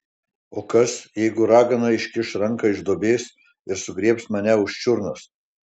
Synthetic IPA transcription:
oːkɐsjɛɪɡʊɾɑːɡɐnɐɪʃʲkʲɪʃɾɐŋkɐɪʒd̪oːbʲeːs | ɪɾsʊɡɾʲiɛpsmɐnʲɛʊʃt͡ʃʲʊɾnʊs

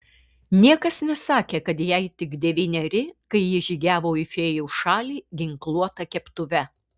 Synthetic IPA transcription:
nʲiɛkɐsnʲɛsɑːkʲeːkɐt̪jɛɪt̪ʲɪɡd̪ʲɛʋʲiːnʲɛɾʲɪkɐɪjɪʒʲiːɡʲæːʋoːɪfʲeːjuːʃɑːlʲiːɡʲɪŋklˠuɔt̪ɐkʲɛpt̪ʊʋʲɛ

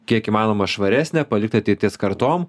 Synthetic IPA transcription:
kʲiɛkiːmɑːnoːmɐʃʋɐɾʲæːsʲnʲɛːpɐlʲɪk̚t̪ʲɐt̪ʲɛɪt̪ʲiɛskɐɾt̪oːm

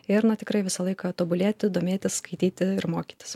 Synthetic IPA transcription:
ɪɾnʊt̪ʲɪkɾɐɪʋʲɪsɐlˠɐɪkɐt̪oːbʊlʲeːt̪ʲɪd̪oːmʲeːt̪ʲɪsskɐɪt̪ʲiːt̪ʲɪɪɾmoːkʲi̥ːt̪ʲɪ̥s

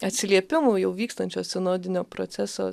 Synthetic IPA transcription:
ɐt̪ʲsʲɪlʲiɛpʲɪmuːjɛʊʋʲiːkst̪ɐnʲt͡ʃʲoːssʲɛnoːd̪ʲɪnʲoːpɾo̰ːt̪sʲæso̰

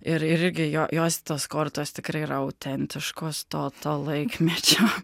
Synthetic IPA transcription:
ɪɾɪɾɪɾʲɡʲɪjoʔjoɔsʲt̪oːskoːɾt̪uɔst̪ʲɪkɾɐɪɾɐʊt̪ʲʰɛnʲt̪ʲʰɪʃkuɔst̪oːt̪oːlˠɛɪkmʲɛt͡ʃʲoː

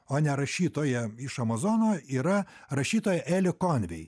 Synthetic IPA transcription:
oːnʲɛɾɐʃʲiːt̪oːjɛɪʃɐmɐzoːnoːiːɾɐ | ɾɐʃʲiːt̪oːjɛʔæːlʲɪkoːnʲʋʲɛj

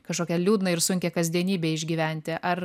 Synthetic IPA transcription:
kɐʃkoːkʲɛlʲuːd̪nɐɪɾsʊŋʲkʲɛkɐzʲd̪ʲiɛnʲiːbʲeːɪʒʲɡʲiːʋʲæˑnʲt̪ʲɪʔɐɾ

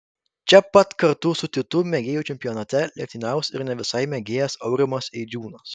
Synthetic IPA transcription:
t͡ʃʲɛpɐt̪kɐɾt̪ʊsʊt̪ʲɪt̪ʊmʲɛɡʲeːjuːt͡ʃʲɛmʲpʲɪjɔːnɐt̪ʲɛlʲiɛk̚ʲt̪ʲɪnʲɛˑʊsɪɾnʲɛʋʲɪsɐɪmʲɛɡʲeːjɛsɐʊɾʲɪmoːsɛɪd͡ʒʲuːnos

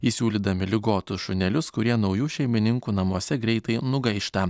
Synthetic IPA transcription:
iːsʲuːlʲiːd̪ɐmʲɪlʲɪɡoːt̪ʊsʃʊnʲɛlʲʊskʊɾʲiɛnɒʊjuːʃʲɛɪmʲɪnʲɪŋkuːnɐmuɔsʲɛɡɾʲɛɪt̪ɐɪnʊɡɐɪʃt̪ɐ

